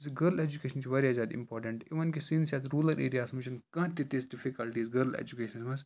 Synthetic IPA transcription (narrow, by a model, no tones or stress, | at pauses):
sɡɐɾled͡ʒukeːʃɐnt͡ʃʰiʋɐɾiazʲjaːd̪ḭ̃mpɔːɾʈɐ̃ɳʈiʋɐnkisinsʲjaːt̪ɾuːlɐɾʔḛːɾijaːsmɐt͡ʃʰɐnkɐ̃t̪it̪isɖifikɐlʈiːzɡɐɾlḛd͡ʒukeːʃɐnsmɐs